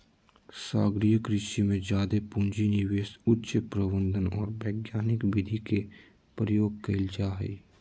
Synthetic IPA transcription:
saːɡɾijəkɾɪʃimẽd͡ʒjaːd̪epʊ̃nd͡ʒinɪʋeːsʊtːʃəpɾəbə̃nd̪ʱənɔ̰ːɾbɛːɡjaːnɪkbɪd̪ʱike | pɾəjoːɡ̚kɐɪld͡ʒaːɦḭː

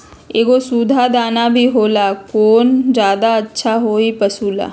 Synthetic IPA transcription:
eːɡosuːd̪ʱad̪aːnabʱiɦoːlakoːnd͡ʒjaːd̪aətːʃʰaɦoːipəsuːla̰ː

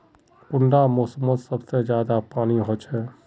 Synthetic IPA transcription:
kʊɳɖamɔːsəmːət̪sɐbsed͡ʒjaːd̪apaːniɦot͡ʃɛ

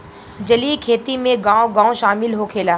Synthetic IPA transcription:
d͡ʒɐlikʰeːt̪imẽɡãːoɡãːõʃaːmɪlɦokʰeːlaː

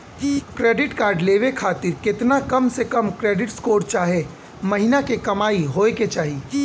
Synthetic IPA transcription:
kɾeːɖɪʈkaːɾɖleːʋekʰaːt̪ɪɾkɪt̪nakɐmsekɐmkɾeːɖɪʈskoːɾt͡ʃaːɦe | mɐɦɪnakekɐmaːiɦoːeket͡ʃaːɦiː

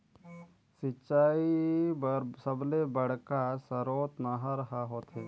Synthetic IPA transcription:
sɪt͡ʃʃaːi | səblebəɽ̤kasəɾoːt̪naɦaɾəɦaɦoːt̪ɦeː

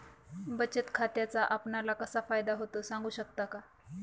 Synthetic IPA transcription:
bət͡ɕət̪kʰat̪jat͡saʔapnalakəsafajd̪aɦot̪osãŋɡuːɕək̚t̪aka

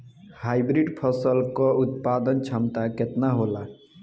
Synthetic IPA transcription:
hajbɾiɖpʰəsəlkɔut̪̚pad̪ənt͡ʃʰəmt̪aket̪naɦola

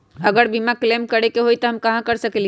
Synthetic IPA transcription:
əɡəɾbimaklemkəɾekeɦoit̪ɔɦəmkɐɦãkəɾsəkeli

